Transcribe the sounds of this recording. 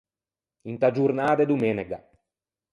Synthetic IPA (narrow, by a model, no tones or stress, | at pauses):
int̪ad͡ʒurnaːd̪ed̪umeneɡa